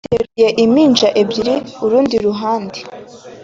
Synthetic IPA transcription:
teɾuje̞ʔimiːnd͡ʒaʔe̞bɟiɾiuɾuːndiɾuɦaːnde

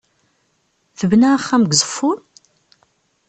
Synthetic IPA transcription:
θəvnæχːæmɡzˤə̥fːʊn

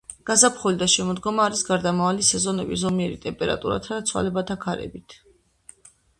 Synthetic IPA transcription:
ɡ̥azapʰχɔlid̪aʃɛmɔd̪ɡɔmaːɾisɡaɾd̪amavalisɛzɔnɛbizɔmiɛɾit̪ʼɛmpʼɛɾa̰t̪ʼuɾa̰t̪ʰad̪at̪sʰwa̰lɛbat̪ʰakʰaɾɛ̰bit̪ʰ

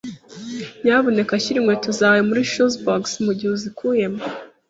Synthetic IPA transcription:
ɲaβo̞ne̞kaçiɾimwetuzaːwemuɾiʃuzboksmuɟihuzikuje̞mo

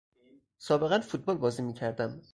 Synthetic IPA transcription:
sɒːbe̞ɣænfut̪̚bɒːlbɒːziːmiːcʰæɾd̪æm

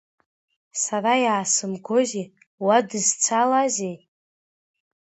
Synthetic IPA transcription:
saɾajaːsɨmɡozi | wadɨzt͡sʷʰalazej

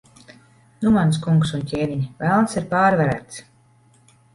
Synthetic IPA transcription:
numans̬kuŋksuntʲɛːvʲiɲvælˠnsiɾpaːɾvaɾæ̰ːt̪s

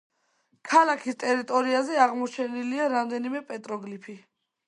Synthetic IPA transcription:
kʰalakʰist̪ʼɛɾit̪ʼɔɾiazɛaʁmɔt͡ʃʰɛniliaɾamd̪ɛnimɛpʼɛt̪ʼɾɔɡlipʰi

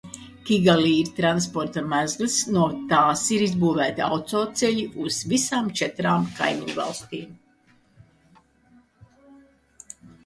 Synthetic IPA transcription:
kʲiɡaliːiɾt̪ɾanspɔɾt̪amæzlʲisnuɔt̪aːsiɾizbuːvæːt̪ia̰wt̪sɔːt̪sɛʎiuz̥visaːmt͡ʃɛt̪ɾaːmka̰jmḭɲvɑ̰lˠst̪iːm

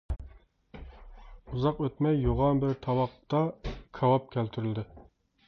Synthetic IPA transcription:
uzɑqøt̪mɛjːoʁɑnbɪɾt̪ʰɑwɑqt̪ɑkʰɑwɑp̚kʲʰælt̪ʰyɾyld̪ɪ

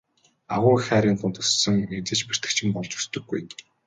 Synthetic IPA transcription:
aʁʊːxæːɾʲiːnt̪ʊnt̪ɵsːɵ̆ŋet͡sĕːt͡ɕpe̥r̥t̪ɘ̆kt͡ɕʰĭmpɔɮt͡ɕu̥st̪ɵ̆ɡːuj

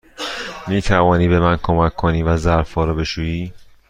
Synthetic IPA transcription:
miːt̪ʰævɒːniːbe̞mænkʰomækʰːoniːvæzæɾfɒːɾɔːbe̞ʃuːiː

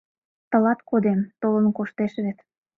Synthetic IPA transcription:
t̪ə̆lɑt̪kod̪emt̪olənkoʃt̪eʃβet̪

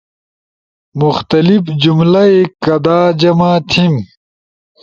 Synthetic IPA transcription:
muxt̪ɐlifd͡ʑumlɐekɐd̪aːd͡ʑɐmaːt̪ʰim

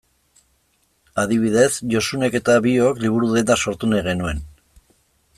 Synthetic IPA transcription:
aðiβiðe̞sʝo̞sune̞ke̞t̪aβio̞kliβ̞uɾuðe̞nd̪aso̞ɾt̪uneɣe̞nue̞n

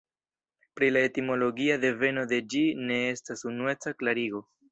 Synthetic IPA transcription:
pɾilae̞timo̞lo̞ɡiade̞ve̞no̞de̞d͡ʒine̞estasunue̞t͡saklaɾiɡo̞

